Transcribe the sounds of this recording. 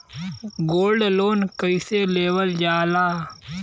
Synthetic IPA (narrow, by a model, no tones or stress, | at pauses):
ɡoːlɖloːnkəiseːleːʋəld͡ʒaːlaː